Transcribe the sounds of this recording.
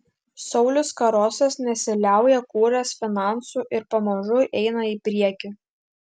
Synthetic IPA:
sɒʊlʲʊskɐɾoːsʲɛsnʲɛsʲɪlʲæˑʊjɛkuːɾʲɛsfʲɪnɑˑnsuːʔɪɾpɐmɐʒʊʔɛɪnɐiːpʲɾʲiɛkʲi

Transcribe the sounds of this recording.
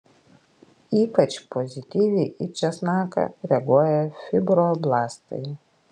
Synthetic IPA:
iːpɐt͡ʃpɔzʲɪt̪ʲiːʋʲiʔɪt͡ʃʲɛsnɑːkɐ̰ɾʲɛɡuɔjɛfʲɪbɾoːblˠɑːst̪ɐ̰ɪ

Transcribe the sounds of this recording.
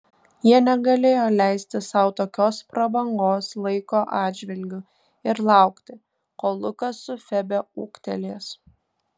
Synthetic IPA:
jiɛnʲɛɡɐlʲeːjoːlʲæˑɪsʲt̪ʲɪsɐʊt̪oːkʲoːspɾɐbɐŋɡoːslˠɐɪkoːʔɑːd̪ʲd͡ʒʲʋʲɪlʲɡʲʊ | ɪɾlˠɑˑʊkt̪ʲɪ | koːlˠʊkɐsʊfʲɛbʲɛuːkt̪ʲɛlʲeːs

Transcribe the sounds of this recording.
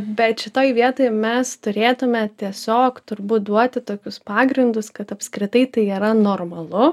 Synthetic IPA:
bʲɛt̪ʃʲɪt̪oːjʋʲiɛt̪oːɪmʲɛst̪ʊɾʲeːt̪ʊmʲɛt̪ʲiɛsʲoːkt̪ʊɾbuːt̪̚d̪uɔt̪ʲɪt̪oːkʲʊspɑːɡɾʲɪnd̪ʊskɐt̪ɐpskɾʲɪt̪ɐɪt̪ɐɪiːɾɐnoːrmɐlˠʊ

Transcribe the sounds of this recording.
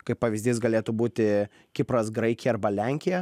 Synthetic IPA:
kɐɪppɐʋʲɪzʲd̪ʲiːsɡɐlʲeːt̪ʊbuːt̪ʲɪ | kʲɪpɾɐsɡɾɐɪkʲjɛɐɾbɐlʲɛŋʲkʲɪjɛ

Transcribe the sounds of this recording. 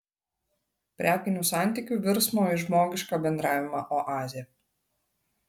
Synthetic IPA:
pʲɾʲʔʲæːkʲɪnʲusɑˑnʲt̪ʲikʲuʋʲɪɾsmoːɪʒmoːɡʲɪʃkɑbʲɛnd̪ɾɑːʋʲɪmɑːʔɔʔɑːzʲɪjɛ

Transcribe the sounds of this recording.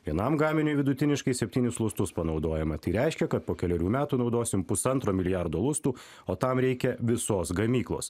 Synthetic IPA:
ʋʲiɛnɐmɡɑːmʲɪnʲʊɪʋʲɪd̪ʊt̪ʲɪnʲɪʃkɐɪsʲɛpʲt̪ʲiːnʲʊslˠʊst̪ʊspɐnɒʊd̪oːjɛmɐt̪ɐɪɾʲɛɪʃʲkʲɛkɐt̪̚poːkʲɛlʲɛɾʲuːmʲæːt̪uːnɒʊd̪oːsʲɪmpʊsɐnt̪ɾoːmʲɪlʲɪjɑɾd̪oːlˠʊst̪uː | oːt̪ɐmɾʲɛɪkʲɛʋʲɪsoːsɡɐmʲiːklˠo̰ːs

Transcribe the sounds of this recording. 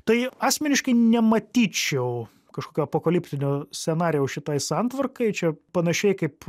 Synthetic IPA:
t̪ɐɪɑːsʲmʲɛnʲɪʃkɐɪnʲɛmɐt̪ʲiːt͡ʃʲɛʊ | kɐʃkoːkʲoːɐpoːkɐlʲɪpʲt̪ʲɪnʲoːsʲsʲɛnɑːɾʲɪjɛʊʃʲɪt̪ɐɪsɑnt̪ʋɐrkɐɪt͡ʃʲɛpɐnɐʃʲɛɪkɐɪp

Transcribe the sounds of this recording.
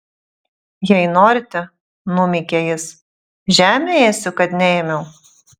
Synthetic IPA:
jɛɪnoːɾʲɪt̪ʲɛ | nʊmʲikʲɛjɪs | ʒʲæːmʲeeːsʲʊkɐt̪nʲɛeːmʲɛʊ

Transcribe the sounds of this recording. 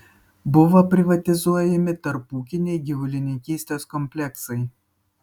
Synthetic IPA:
bʊʋopʲɾʲɪʋɐt̪ʲɪzuɔjɛmʲɪt̪ɐɾpuːkʲɪnʲɛɪɡʲɪʋʊlʲɪnʲɪŋʲkʲiːsʲt̪ʲeːskɔmʲpʲlʲɛksɐɪ

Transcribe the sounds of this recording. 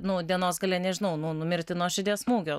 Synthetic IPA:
nʊd̪ʲiɛnoːsɡɐlʲɛnʲɛʒʲɪnɐʊnʊnʊmʲɪɾʲt̪ʲɪnoːʃʲɪd̪ʲiɛsmuːɡʲoː

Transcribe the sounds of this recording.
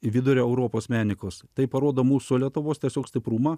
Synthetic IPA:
ɪʋʲɪd̪ʊɾʲoːɛʊɾoːpoːsmʲæːnʲɪkoːst̪ɐɪpɐɾoːd̪oːmuːsʊlʲiɛt̪ʊʋoːst̪ʲiɛsʲoːksʲt̪ʲɪpɾuːmɐ

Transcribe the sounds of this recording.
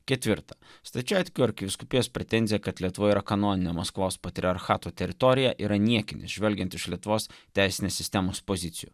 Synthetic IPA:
kʲɛt̪ʲʋʲɪɾt̪ɐst̪ɐt͡ʃʲæːt̪ʲkʲuːɐɾʲkʲɪʋʲɪskʊpʲɪjoːspʲɾʲɛt̪ʲɛnʲzʲɪjɛkɐt̪lʲiɛt̪ʊʋoːiːɾɐkɐnoːnʲɪnʲɛmɐskʋoːspɐt̪ʲɾʲɪɐɾxɑːt̪uːt̪ʲɛɾʲɪt̪ɔɾʲɪjɛʔiːɾɐnʲiɛkʲɪnʲɪ̰sʒʲʋʲɛlʲɡʲɛnt̪ɪʃlʲiɛt̪ʊʋoːst̪ʲæˑɪsʲɪnʲeːssʲɪst̪ʲɛmoːspozʲɪt̪sʲɪjṵ

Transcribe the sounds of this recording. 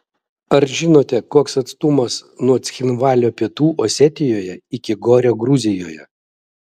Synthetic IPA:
ɐɾʒʲɪnoːt̪ʲɛkoːksɐt̪st̪ʊmɐsnuɔt̪sʲxʲɪnʋɑːlʲoːpʲiɛt̪uːʔɔːsʲɛt̪ʲɪjoːjɛɪkʲɪɡɔɾʲoːɡɾʊzʲɪjo̰ːjɛ̰

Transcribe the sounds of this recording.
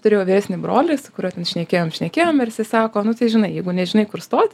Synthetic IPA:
t̪ʊɾʲeːjoːʋʲiːɾæsʲnʲɪbɾoːlʲɪsʊkʊɾʲuɔtʲɛnʃʲnʲɛkʲeːjoːmʃʲnʲɛkʲeːjoːmʋʲɛrsʲɪsɑːkoːnʊt̪ɐɪʒʲɪnɐɪjɛɪɡʊnʲɛʒʲɪnɐɪkʊrst̪oːt̪ʲ

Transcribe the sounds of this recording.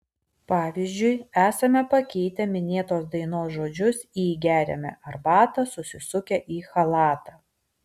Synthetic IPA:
pɑːʋʲiːzʲd͡ʒʲʊɪæːsɐmʲɛpɐkʲɛɪt̪ʲɛmʲɪnʲeːt̪oːsd̪ɐɪnoːsʒoːd͡ʒʲʊsiːɡʲæːɾʲɛ̰mʲɛ̰ʔɐɾbɑːt̪ɐsʊsʲɪsʊkʲɛʔiːxɐlˠɑːt̪ɐː

